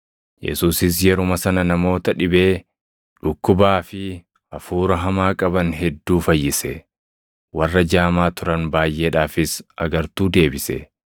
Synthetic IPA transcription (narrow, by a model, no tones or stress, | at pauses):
jɛ̰suːsɪs̬jɛɾʊmɐsɐnɐnɐmo̞ːt̪ɐᶑɪbe̞ː | ᶑʊkːʊbaːfɪ | ɐfuːɾɐɦɐmaːkʼɐbɐnɦɛd̪ːuːfɐjːɪsɛ | wɐrːɐd͡ʒaːmaːt̪ʊɾɐnbaːjʔːeːᶑaːfɪsɐ̰ɡɐɾt̪uːd̪e̞ːbɪsɛ̰